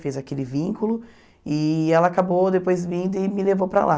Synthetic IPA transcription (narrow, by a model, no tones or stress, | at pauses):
fezakelɪvĩŋkulʊ | ɪɛlɐakabod̪epojzmĩd̪ʊɪmɪlevowpɾa̰lʔa